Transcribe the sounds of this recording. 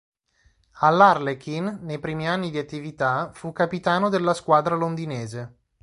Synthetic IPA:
alːarlekinːejpɾiːmianːid̪iat̪ːivit̪afukːapit̪aːnod̪elːaskwaːd̪ɾalond̪ineːze

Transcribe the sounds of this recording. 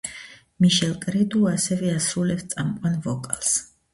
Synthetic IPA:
miʃɛlˠkʼɾɛd̪uasɛvɛasɾulɛpst̪sʼamqʼanvɔkʼalˠs

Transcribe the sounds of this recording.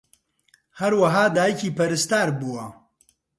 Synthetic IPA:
hɐɾwɐɦaːd̪aːjkʰiːpɐɾɨst̪aːɾbuwɐ

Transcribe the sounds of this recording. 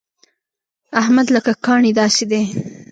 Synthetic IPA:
ahmad̪ləkakɑɳid̪ɑsid̪e

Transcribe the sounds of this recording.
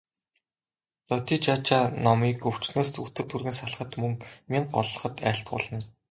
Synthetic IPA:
lɔt̪it͡ɕat͡ɕanɔmiːkɵw̥t͡ɕnoːst̪ut̪ɘ̆kt̪ʰurɣɘ̆nsaɮ̆χə̆t̪mɵŋmiɴɢɔɮɞ̆χə̆t̪æ̰ːɬt̪̚ɢʊ̰ɮə̆n

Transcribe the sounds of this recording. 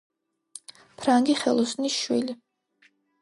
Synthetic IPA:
pʰɾaŋɡiχɛlˠɔsnisʃwili

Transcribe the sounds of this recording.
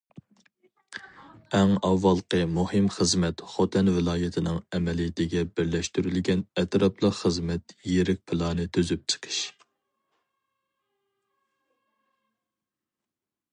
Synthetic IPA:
ɛŋɑwːɑlˠqəmuhɨmχəzmɛt̪χot̪ʰɛnvɪlˠɑːjɪt̪ʰɪnɪŋɛmɛlijɪt̪ʰɪɡʲɛbɪɾlɛʃt̪yɾylɡʲɛnɛt̪ɾɑplˠəqχəzmɛt̪jeɾɪk̚ʲpʰlˠɑːnɨt̪ʰyzyp̚t͡ʃʰə̥qʰə̥ʃ

